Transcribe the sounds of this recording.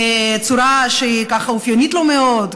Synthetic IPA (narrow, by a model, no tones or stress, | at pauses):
et͡suɾaʃeikaχaufjonit̪lomeod